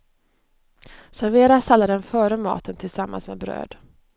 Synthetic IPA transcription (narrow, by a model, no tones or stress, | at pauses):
sæɾveːɾasalːad̪ɛnfœːɾəmɑ̰ːt̪ənt̪ʰɪlsamːa̰nsmḛbɾø̰ːd̪